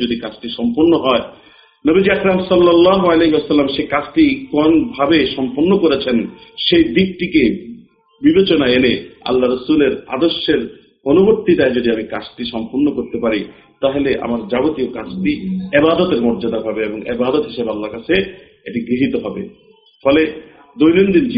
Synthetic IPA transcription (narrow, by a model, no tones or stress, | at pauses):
od̪ikat͡ɕʈiʃɔmpoɾnːoɦɔe | nobid͡ʑiakɾamsɔlːalːaɦoaleɦiwasɐlːamʃekat͡ɕʈikonbʱabeʃɔmpoɾnokoɾet͡ɕʰenʃejd̪ik̚ʈike | bibet͡ɕonaenea̰lːaɾəsuleɾa̰d̪oɾʃːeɾ | onuboɾt̪it̪aed͡ʑoɖiamikat͡ɕʈiʃɔmponːokoɾt̪epaɾi | t̪aɦeleʔa̰maɾd͡ʑabot̪iokat͡ɕʰʈiebad̪ot̪eɾmɔɾd͡ʑad̪abʱabeeboŋʔḛbad̪ot̪ɦiʃebalːaɾkat͡ɕʰe | eʈiɡɾiɦit̪oɦɔbe | fɔle | d̪ojnond̪ind͡ʑ